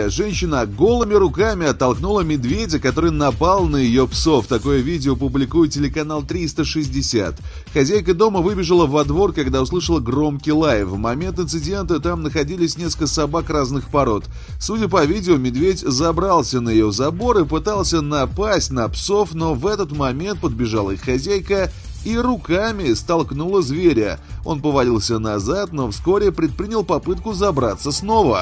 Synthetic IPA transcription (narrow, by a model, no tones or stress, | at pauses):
ʐɛnʲɕːɪnəɡo̞lˠɨmʲɪɾʊkamʲɪɐt̪ːɐlˠknulˠəmʲɪd̪vʲedʲəkɐt̪o̞ɾɨjnɐpalˠnəjɪjo̞pso̞ft̪ɐko̞jəvʲidʲɪopʊblʲɪkujɪtʲɪlʲɪkɐnalˠt̪ɾʲist̪əʂɨzʲdʲɪsʲa̰t̪ | xɐzʲæjkəd̪o̞məvɨbʲɪʐəlˠəvɐd̪vo̞rkɐɡd̪aʊslˠɨʂəlˠəɡro̞mkʲɪjlˠajɪfvmɐmʲe̞nt̪ɨnt̪sɨdʲe̞nt̪ət̪amnəxɐdʲilʲɪsʲnʲeskəlkəsɐbakraznɨxpɐɾo̞t̪ | fsudʲəp̬ɐvʲidʲɪʊmʲɪd̪vʲetʲzɐbɾalˠsʲənəjɪjozɐbo̞ɾɨpɨt̪alˠsʲənɐpasʲtʲnɐpso̞fno̞vɛt̪ət̪mɐmʲe̞nt̪̚pəd̪̚bʲɪʐalˠəixxɐzʲæjkə | iɾʊkamʲɪst̪ɐlˠknulˠəzvʲeɾʲə̰o̞̰npəvɐlʲilˠsʲənɐzat̪no̞fsko̞ɾʲɪpɾʲɪt̪̚pɾʲinʲɪlˠpɐpɨt̪̚kʊzɐbɾat̪səsno̞və̰